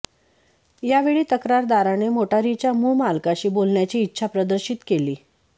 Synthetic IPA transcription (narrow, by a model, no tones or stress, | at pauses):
jaʋeɭiːt̪əkɾaɾd̪aɾanemoʈaɾit͡ɕjamuːmalkaɕiːbolɳjat͡ɕiːtːɕʰapɾəd̪əɾɕit̪keliː